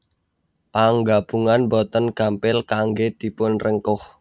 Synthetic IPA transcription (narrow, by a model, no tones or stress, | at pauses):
paŋɡab̥uŋanbɔt̪ənɡ̥a̤mpɪlkaŋɡed̪̥ipʊnrəŋkʊh